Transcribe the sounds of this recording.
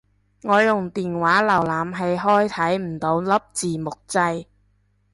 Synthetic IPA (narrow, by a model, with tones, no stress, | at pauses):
ŋɔː˨˧jʊ˨˩ŋt̪iː˨nwaː˨˥lɐ˨˩wlaː˨mɦe˧jɦɔː˥jt̪ʰɐ˨˥jm̩˨˩t̪o˨˧wlɐ˥p̚t͡siː˨mʊ˨k̚t͡sɐ˧j